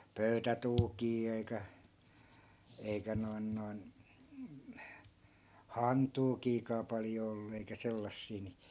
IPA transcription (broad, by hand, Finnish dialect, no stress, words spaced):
pøytætuːkiː ei̯kæ eikæ noi̯n noi̯n hɑntuːkiːkɑː pɑljo olːu eikæ selːɑsːiː ni